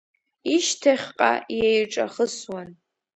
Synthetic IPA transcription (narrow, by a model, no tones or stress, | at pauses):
iʃtʰaχʲqʼa̰jejʈ͡ʂʼa̰χəswan